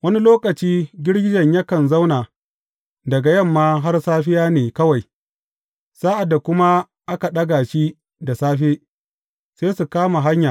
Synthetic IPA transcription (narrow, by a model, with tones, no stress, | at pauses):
wɐ˦ni˦loː˦kɐ˨t͡ʃiː˦ɡʲɪ˦ɽɡʲɪ˦d͡ʒɐ˨ɲjɐ˦kɐ˨nza˦wnaː˨ | dɐ˨ɡa˨jɐ˦˨mːaː˦ɦa˦rsaː˦ɸɪ˦jaː˦neː˨kɐ˦wa˨j | saː˦ʔa˨dːa˨kʷʊ˦ma˦ | ʔa˦ka˨ɗɐ˦ɡaː˨ʃi˦ | da˨saː˦ɸeː˦ | seː˦su˨kaː˦ma˨ɦa˦ɲjaː˨